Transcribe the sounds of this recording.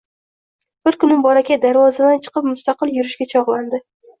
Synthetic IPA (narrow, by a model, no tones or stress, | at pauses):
b̥ɪɾkʊnɪŋbɒɾakʲad̪aɾvɒzad̪ant͡ʃʰɨ̥qʰɨp̚mʊst̪aqɨlˠjʊɾɪʃɡʲat͡ʃʰɒʁlˠand̪ɪ